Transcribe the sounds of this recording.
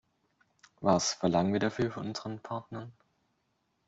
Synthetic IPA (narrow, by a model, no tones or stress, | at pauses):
vasfɛɐlaŋənviːɐɾafyːɐfɔnʔʊnz̥əʁənpʰaɐtnɐn